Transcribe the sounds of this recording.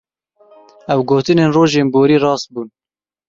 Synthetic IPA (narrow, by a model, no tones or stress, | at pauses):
ɛwɡoːt̪ɨneːnroːʒeːnboːɾiːrɑːst̪̚buːn